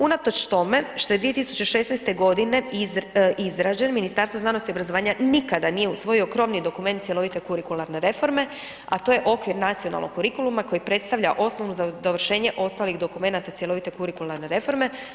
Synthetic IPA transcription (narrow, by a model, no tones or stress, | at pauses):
unat̪o̞t͡ʃt̪o̞me̞ʃt̪o̞jeʋije̞t̪isu̥t͡ʃeʃe̞snɛjst̪e̞ɡo̞d̪ine̞ | ʔizɾaːd͡ʑenminist̪aɾst̪voznano̞st̪iobɾazo̞ʋaːɲanikad̪anije̞usʋo̞jio̞kɾo̞mnid̪o̞kument̪sjelo̞ʋit̪e̞kuɾikulˠaɾne̞ɾe̞fo̞ɾme̞ | a̰t̪o̞je̞ʔo̞kʋiɾnat̪sijo̞na̰lˠnokːuɾikulˠumako̞jipɾe̞t̪st̪aʋʎaʔo̞sno̞ʋnuzad̪oʋrʃe̞ːɲe̞ʔo̞st̪aːliɣd̪o̞kume̞nat̪at̪sjeloʋit̪e̞kuɾikulˠaɾne̞ɾe̞fo̞ɾme̞